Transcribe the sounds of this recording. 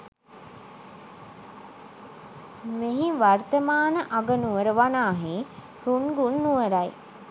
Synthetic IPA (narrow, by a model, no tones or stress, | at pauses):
meɦiʋart̪əmaːnəʔaɡənuʋəɾəʋanaːɦe | ɾunɡunːuʋəɾaj